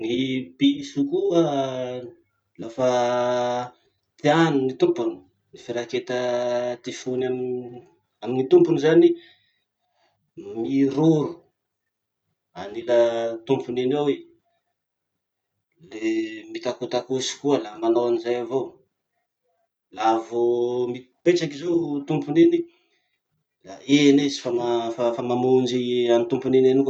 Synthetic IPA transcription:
nipiisukuə | lafa | t̪ianunit̪umpuni̥ | nifeɾaket̪ət̪ifunam | aminit̪umpunizani | miɾoɾu̥ | a̰nilət̪umpuninawe | lemit̪akut̪akusi̥kuəlamanoanizajavo | lavomi | pet͡sakizot̪umpunini | laenizi̥famafafamamund͡ʒiamint̪umpuninenik

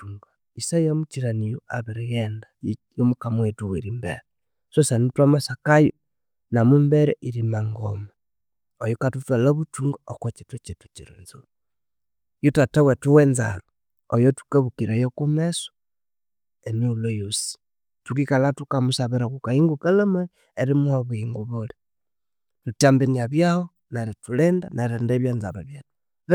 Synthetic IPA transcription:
uŋɡa | isajamut͡ʃiɾanijoaβeɾɛjɛndajomukamwetuweɾimbḛɾɛ | sosanitwamasakajo | namumbɛɾɛʔiɾimaŋɡoma | ojokatutwalaβutuŋɡaokwot͡ʃetwutetu̥t͡ʃiɾḛnzoɾ | jotatawetuwɛnza̰ɾo | ojotu̥kaβukiɾejokumeso̥ | emiulojosi̥ | tukikalatukamusaβeɾakukaiŋɡukalama | eɾimwaβuiŋɡuβole | tutambeniaβjaho | naɾetulendanaɾendeβjanzaβaβjatu̥

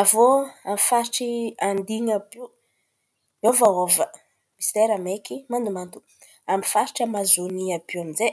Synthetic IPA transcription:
avoamifaɾiʈ͡ʂiand̪iɲabi | ovaovə | mist̪eɾamekimand̪umand̪u̥ | amifaɾiʈ͡ʂəmazoniabiwamize

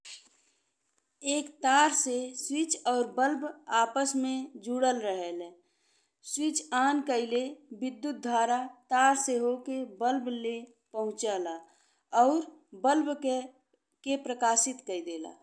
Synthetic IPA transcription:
eːkt̪aːɾseswɪt͡ʃɔːɾbəlbʱaːpəsmẽd͡ʒuːɽəlɾəɦəle | swɪt͡ʃaːnkəɪlebɪd̪ːjut̪̚d̪ʱwaːɾat̪aːɾseɦokebəlble | pəɦʊ̃t͡ʃaːla | ɔːɾbəlb | kepɾəkaːsɪt̪kəid̪eːla̰ː

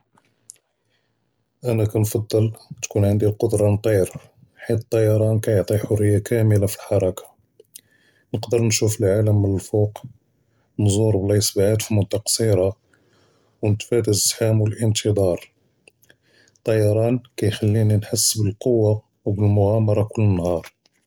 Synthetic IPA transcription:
ʔænækænfɑd̪ˤːəlt̪kunʕənd̪iqod̪ɾˤɑnt̪ˤiɾ | ħit̪t̪ˤːɑjɑɾˤɑnkæjoʕt̪ˤiħʊrːəjːakæməlafilħɑɾˤɑkḁ | nəqd̪əɾnʃufəlʕaləmːənəlfuq | nzuɾˤblɑsbʕad̪fimʊnt̪ːɑqsiɾɑ | wnət̪fæd̪əzħamwəlʔənt̪ʰəd̪ˤɑɾˤ | t̪ˤːɑjɑɾˤɑnkæjxælːininħasːbəlqowːa | wbəlmʊɣamɑɾˤɑkʊlːənːhɑɾˤ

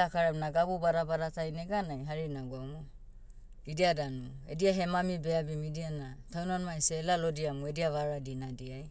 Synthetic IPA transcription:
akaɾanaɡabubaɾabaɾatajneɡanajɦaɾinaɡamo | idiadanuḛdiaɦemamibeabimidianatawnanmajselalodiamoediaβaɾadinadiaj

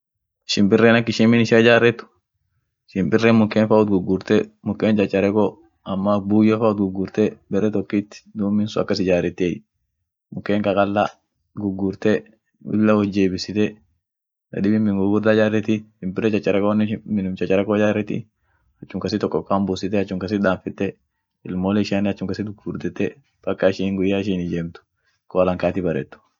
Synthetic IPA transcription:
ɪʃɪmbɪrːɛːnɐkːɪʃɪmːɪnɪʃɪd͡ʒaːrːɛt̪ːʊ̥ | ʃɪmbɪrːɛnmʊkːeːnfaʊt̪̚ɡʊɡʊɾt̪ɛmʊkːeːnt͡ʃʼɐt͡ʃʼːɐɾɛkɔ | ɐmːabuːjɐfaʊt̪̚ɡʊɡːʊɾt̪ɛbɛɾːɛt̪ɔkːit̪ːɪ̥d̪uːmːɪnsʊɐ̰kːɐsɪd͡ʒaːɾɛt̪ːej | mʊkːeːŋkɐkʼɐlːa | ɡʊɡːʊɾt̪ɛ | ʊ̰lːɐwɔd͡ʒːeːbɪsɪt̪ɛ | dɐ̰d̪ɪbɪmmɪŋɡʊɡʊɾd̪ɐd͡ʒaːrːɛt̪ɪɪmbɪɾɛt͡ʃɐt͡ʃʼːɐɾɐkonmɪnʊmt͡ʃɐt͡ʃːɐɾɐkod͡ʒaːɾɛt̪ɪ̰ | ɐt͡ʃːʊmkɐsɪt̪ɔkʼːɔkʼːaːmbʊsɪt̪ɛɐt͡ʃːʊŋkɐs̬ɪd̪aːɱfɪt̪ːɛ | ɪlmoːlɛɪʃaːnɪɐt͡ʃːʊŋkɐsɪd̪ɡʊɡuːɾd̪ɛt̪ːɛ | b̥ɐkːaɪʃiːŋɡʊjːaːɪʃ̬iːnɪd͡ʒeːmt̪ʊ̥ | koːɐlɐŋkaːt̪ɪbɐɾɛ̰t̪ːʊ̥

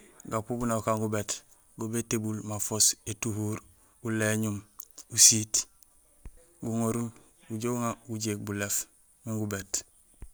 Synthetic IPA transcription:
ɡapubunaukaŋɡubet | ɡubetebulmafosetuɦuɾ | uleɲumusit | ɡuŋoɾul | uɟouŋauɟeːk̚bulef | miŋɡubeːt

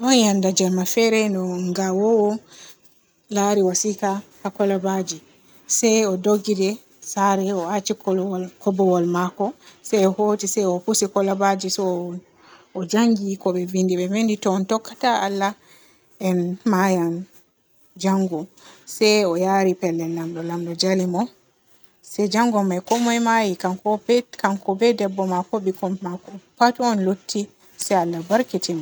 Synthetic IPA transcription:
ʔɔnjandad͡ʒalmafɛɾɛnɔŋɡawɔwɔ | laːɾiwasikakakɔlabad͡ʒi | sɛɔdoɡːidɛ | saɾɛɔat͡ʃikɔkɔbɔwɔlmakɔsɛjɔhoːtisɛjɔpusikɔlabad͡ʒisɔ | ɔd͡ʒaŋɡikɔɓɛvindiɓɛvenditɔntɔkːataalːa | ɛnmajan | d͡ʒaŋɡɔsɛjɔjaɾipɛlːɛnːamɗɔlamɗɔd͡ʒalimɔ | sɛd͡ʒaŋɡɔmajkɔmɔjmajikakɔkankɔbɛdɛbːɔmakɔɓikɔmakɔpatuɔnlotʰːi | sɛalːabaɾkitima

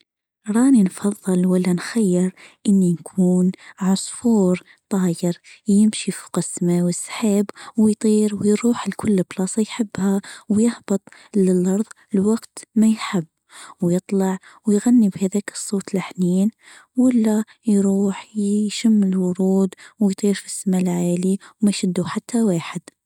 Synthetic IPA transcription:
ɾˤɑːninfɑðˤːɨlwalːanxajːɪɾʔɪnːinkʰuːnʕʊsˤfuːɾ | t̪ˤɑːjɪɾjɪmʃifu̥qɑsːmawɪsːħaːbwɪjt̪ˤiːɾwjɾuːħlkʰʊlːɪblɑːsˤɑjħɪbːhawjɪhbɨt̪ˤlɪlʔɑɾˤðˤ | lwaɡt̪majħɪbːwjɨt̪ˤlɑʕwjɣanːibhaðaːkɨ̥sˤːoːt̪lɪħniːn | wɪlːa | jɾuːħjʃɪmːɪlwʊɾuːd̪wɪjt̪ˤiːɾfi̥sːamalʕaːliwmajʃɪd̪ːuħat̪ʰːawaːħɪd̪̥

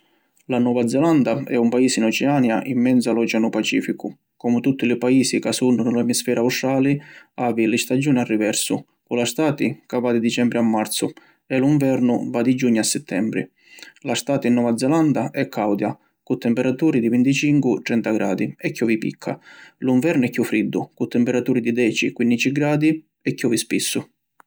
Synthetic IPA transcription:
lanɔːvad̪zɛland̪aɛ̰umpaiːsinɔt͡ʃɛaːnjaʔimːɛnt̪salɔt͡ʃanupat͡ʃḭːfikʊ | kɔmʊt̪ut̪ːɪlɪpaiːsikasunːʊnʊɪlɛmisfɛːɾʔauʃaːlɪaːvilɪst̪ad͡ʒuːnarːivɛɾsʊ | kulast̪aːt̪ikavad̪id̪it͡ʃɛmbɾiamːaɾt̪sʊ | ɛluɱvɛɾnʊvad̪id͡ʒuɲːʊasːɛt̪ʰːɛmbɾḭ | last̪aːt̪inːɔvad̪zɛland̪aʔɛkʰːawd̪ja | kʊt̪ːɛmpɛɾat̪uːɾid̪ivint̪it͡ʃiŋkwʊt̪ɾɛnt̪aɡɾaːd̪iɛkːɔvipḭkʰːa̰luɱvɛɾnʊɛkːjufːɾid̪ːʊkut̪ːɛmpɛɾat̪uːɾid̪id̪ɛːt͡ʃikwinːit͡ʃiɡɾaːd̪i | ɛkːɔvispisːʊ

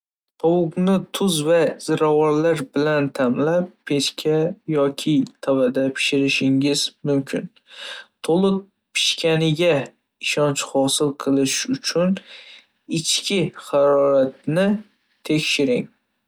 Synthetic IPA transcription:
qʰɒwʊqnɪt̪ʰʊzvaz̥ɪɾawɒɾlaɾbɪlant̪ʰamlap̚ːʰeʃkʲʰajɒkʲʰɪt̪ʰavad̪apʰɪ̥ʃɪɾɪʃɪŋɪzmʊmkʲʰɪ̰n | t̪ʰolˠɨq̚ | pʰɪ̥ʃkʲanɪɡʲa | ɪʃɒnt͡ʃhɒsɪlˠqʰɨlˠɪʃʊt͡ʃʰʊn | ɪt͡ʃkʲɪχɑɾɒɾat̪̚nɪ | t̪ʰe̞kʲʃɪɾɪŋ

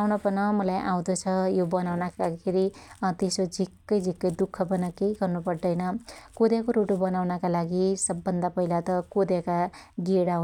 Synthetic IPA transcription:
wnʌpʌnʌmʌlajʔa̰w̃d̪ʌt͡sʰʌjobʌnawnakakʰeɾit̪esod͡zʱikːʌjd͡zʱikːʌjd̪ukʰːʌpʌnʌkejɡʌrnupʌrd̪ʌjnʌkod̪jakoɾoʈobʌnawnʌkalaɡisʌbːʌnd̪apʌɦilat̪ʌkod̪jakaɡeɽaɦ

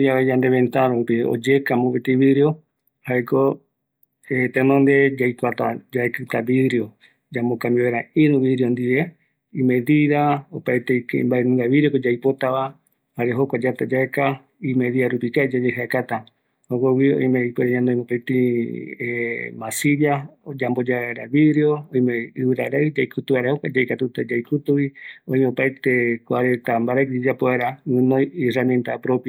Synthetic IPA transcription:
d͡ʒaβed͡ʒand̪e̞βẽnt̪aɾopio̰d͡ʒekamopet̪iβiðɾio | haeko | et̪enõnd̪e̞d͡ʒajkʷat̪ad͡ʒaekɨt̪aβiðɾio | d͡ʒamokamiβeɾaiɾũβiðɾiond̪iβe | imẽðiɾaopaet̪eikembaenũŋɡaβiɾikod͡ʒajpo̞t̪aβa | haɾeɦokʷad͡ʒat̪ad͡ʒaeka | imeðiaɾupikaed͡ʒad͡ʒehaekat̪a | hokʷawiõ̰j̃mejpeɾaɲãnd̪oj̃mopet̪ĩemasiɾjaod͡ʒambod͡ʒaeɾaβiɾeo̞õj̃mẽɨβɨɾaɾaɨd͡ʒajkʰut̪uβaɾahokʷad͡ʒaekat̪ut̪ad͡ʒajkut̪uwiõj̃meopaet̪e̞kʷaɾent̪ambaɾakd͡ʒid͡ʒapoeɾamɨ̃nõjisrament̪apɾo̞pja

